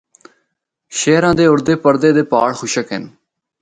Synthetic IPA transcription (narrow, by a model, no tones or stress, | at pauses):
ʃɛːɾãːd̪eːʊɾd̪eːpəɾd̪eːd̪eːpaːɽxʊʃəkɦɪ̰n